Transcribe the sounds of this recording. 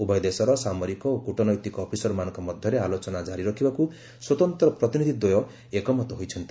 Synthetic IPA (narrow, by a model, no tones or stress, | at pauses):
ubʱɔjd̪esɔɾɔsamɔɾikɔokuʈɔnɔjt̪ikɔːpʰisɔɾɔmanɔ̃ŋkɔmɔd̪ʱjɔɾealot͡ʃɔnad͡ʒaɾiɾɔkʰibaku | swɔt̪ɔnt̪ɾɔpɾɔt̪inid̪ʱid̪ojɔ | ekɔmɔt̪ɔɦojt͡ʃʰɔnt̪i